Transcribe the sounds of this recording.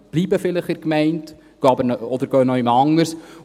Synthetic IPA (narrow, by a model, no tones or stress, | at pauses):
b̥liːbəfɪlɪχɪɾkmɛɪnt | ɡ̥oɑbəɾnɔd̪əɾɡœːnɔɪmɑŋːəɾs